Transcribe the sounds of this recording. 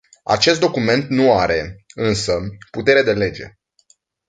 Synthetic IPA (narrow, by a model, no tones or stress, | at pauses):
a̰t͡ʃe̞st̪d̪o̞kume̞nt̪nuaɾe̞ɨnsəput̪e̞ɾe̞d̪e̞le̞d͡ʒe̞̰